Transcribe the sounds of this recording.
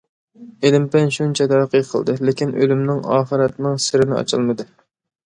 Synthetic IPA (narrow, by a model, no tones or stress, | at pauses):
elɪmpɛnʃunt͡ʃʰɛd̪ɛqɨqʰəlˠd̪ɨlekʲinʔølymnɪŋɑːχəɾɛt̪nɪŋsɪɾɪnɪɑ̰t͡ʃʰɨlˠmɨd̪ɨ